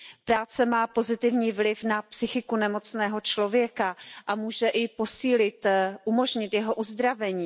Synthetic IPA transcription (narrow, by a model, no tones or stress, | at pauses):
pɾaːt͡sɛmaːpo̞zɪt̪ɪvɲiːvlɪfnapsɪxɪkunɛmo̞t͡snɛːɦo̞t͡ʃlo̞vjɛkaʔamuːʒɛʔɪpo̞siːlɪt̪ʔumo̞ʒɲɪt̪jɛɦo̞ʔuzd̪ɾavɛɲiː